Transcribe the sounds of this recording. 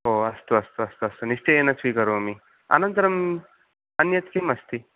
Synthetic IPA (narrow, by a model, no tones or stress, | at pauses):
ɦoɐst̪uɐst̪uɐst̪uɐst̪unist͡ʃeenɐt͡sʰikʌɾumi | ɐ̰nɐnt̪ɐɾɐm | ɐnjɐt̪kemɐst̪i